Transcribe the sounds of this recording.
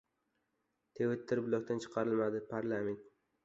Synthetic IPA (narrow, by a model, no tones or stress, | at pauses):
t̪ʰewɪt̪ʰːɪɾbʊlˠɒk̚ʲt̪ʰant͡ʃʰɨ̥qʰɑɾɪlmad̪ɪpʰaɾlˠame̞nt̪